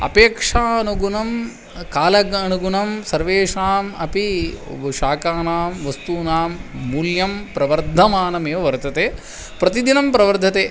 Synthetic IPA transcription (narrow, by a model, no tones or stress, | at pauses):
ɐ̰peːkʂaːɐnuɡunɐm | kaːlɐɡɐnuɡunɐmsɐɾʋeːʂaːmɐpiʃaːkaːnaːmʋɐst̪uːnaːmːuːljɐmpɾɐʋɐɾd̪ʱɐmaːnɐmeːʋɐʋɐɾt̪ɐt̪eː | pɾɐt̪id̪inɐmpɾɐʋɐɾd̪ʱɐt̪eː